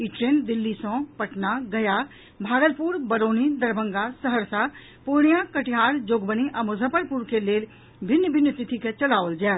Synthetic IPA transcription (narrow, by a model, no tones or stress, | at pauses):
iʈɾeːnd̪ɪlːisɔ̃pəʈnaɡɐja | bʱaːɡəlpuːɾbəɾoːnid̪ɐɾbʱə̃ŋɡasəɦəɾsa | poɽjãkəʈɪjaːɾd͡ʒoːɡbəniʔəmʊzʱəpəɾpuɾkeleːl | bʱɪnːjəbʱɪnjət̪ɪt̪ʰiket͡ʃəlaːʋəld͡ʒaː